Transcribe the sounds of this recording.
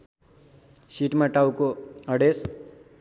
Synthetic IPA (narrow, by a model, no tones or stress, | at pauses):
siʈmaʈawkoʌɽes